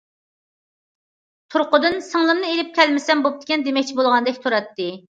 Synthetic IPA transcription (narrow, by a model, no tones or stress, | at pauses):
t̪ʰuɾqʊd̪ɨnsəŋlˠɨmnɨelɪp̚kʲʰɛlmɪsɛmbop̚t̪ʰɪ̥kʲɛnd̪emɛk̚ʲt͡ʃʰibolˠʁɑnd̪ɛkʲt̪ʰuɾɛt̪ːɪ